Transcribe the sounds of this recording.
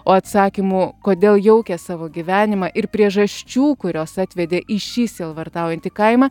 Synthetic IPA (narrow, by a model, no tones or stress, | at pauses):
oːɐt̪sɑːkʲimuːkoːd̪ʲeːlˠjɛʊkʲɛsɑːʋoːɡʲiʋʲæːnʲɪmɑʔɪɾpʲɾʲiɛʒɐʃʲt͡ʃʲuːkʊɾʲoːsɑːt̪ʲʋʲɛd̪ʲeːʔɪʃʲiːsʲeːlˠʋɐrt̪ɑʊjɛnt̪ʲɪkɐɪmɐ